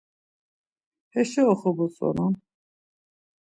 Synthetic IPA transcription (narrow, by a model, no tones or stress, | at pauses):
hɛʃɛɔχɔbɔt͡sʼɔ̰nɔn